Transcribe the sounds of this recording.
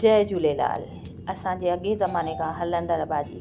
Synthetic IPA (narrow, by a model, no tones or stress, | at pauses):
d͡ʑɐːd͡ʑuːlela̰ːl | ɐsãd͡ʑeːɐɠezɐmaːnekʰãɦɐlə̃nd̪əɾɐbʱaːd͡ʑḭː